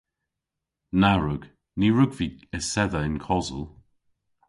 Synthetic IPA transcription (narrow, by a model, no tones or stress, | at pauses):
naɹʊɡ̥ | niɹʊɡviːəsɛðəɪnkʰɔzə̰lˠ